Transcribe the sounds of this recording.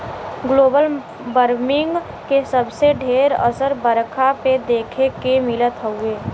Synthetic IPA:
ɡloːbəl | bəɾmɪ̃ŋɡ | kesəbseɖʱeːɾə̰səɾbəɾkʰaped̪eːkʰekemɪlət̪ɦəɦʊeː

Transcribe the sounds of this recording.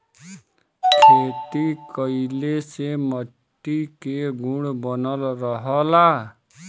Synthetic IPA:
kʰet̪ikʌilesemʌʈːikeɡʱuɽbɔnʌlɾɔɦɔla

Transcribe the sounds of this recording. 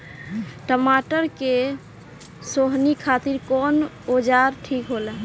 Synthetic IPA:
ʈəmaʈəɾke | soɦnikʰat̪iɾkɔn | od͡ʒaɾʈʰikɦolə

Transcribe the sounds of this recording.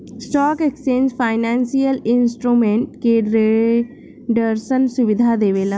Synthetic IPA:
sʈɔːkeksʈẽːnzfʰaːɪnɛ̃ːnsijəlɪ̃nsʈɾumẽɳʈkeɾe | ɖəɾsənsʊʋɪd̪ʱad̪eːʋelã

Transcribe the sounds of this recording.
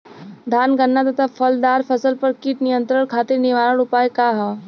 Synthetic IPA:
d̪ʱaːnɡənːat̪ət̪ʰafʰɐld̪aːɾfʰɐsəlpɐɾkiʈnɪjə̃nt̪ɾəɽ̃kʰaːt̪ɪɾnɪʋaːɾəɽʊpaːekaɦɛː

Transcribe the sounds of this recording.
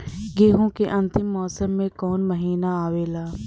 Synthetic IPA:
ɡeːɦõkeʔɐ̃nt̪ɪmːɔːsəmːẽkɔːnmɐɦiːnaaːʋeːlaː

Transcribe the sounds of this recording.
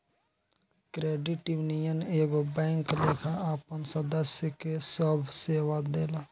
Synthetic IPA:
kɾeːɖiʈiʋnijəneːɡobɛ̃ːŋkleːkʰaaːpənsəd̪əsjəkesəbʱseːʋad̪eːla

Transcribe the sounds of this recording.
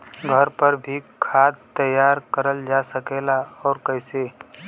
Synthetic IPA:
ɡʱəɾpəɾbʱikʰaːd̪̚t̪əjaːɾkəɾəld͡ʒasəkelaɔːɾkəɪse

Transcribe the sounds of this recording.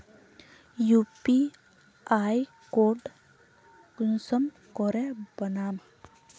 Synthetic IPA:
jupi | aj | koɖ | kunsəm | kɔɾebənaːm

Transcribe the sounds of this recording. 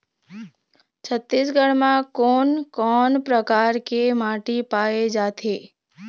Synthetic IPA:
t͡ʃʰət̪ːisɡəɽmãkoːnkɔːnpɾəkaːɾkemaːʈipaːed͡ʒaːt̪ʰeː

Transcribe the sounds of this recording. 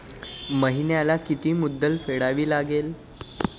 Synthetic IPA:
məɦinjalakit̪iːmud̪ːəlfeɽaʋiːlaɡel

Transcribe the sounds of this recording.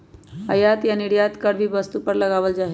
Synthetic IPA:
əjat̪janɪɽjat̪kəɽʋʱiʋəst̪upəɾləɡaːʋəld͡ʒaːɦ

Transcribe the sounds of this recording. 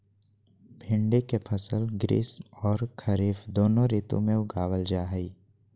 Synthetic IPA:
bʱɪ̃ɳɖekepʰəsəlɡɾḭːsɔːɾkʰɐɾiːfd̪oːnõɾiːt̪õ̰mẽʊɡaːwəld͡ʒaːɦəiː

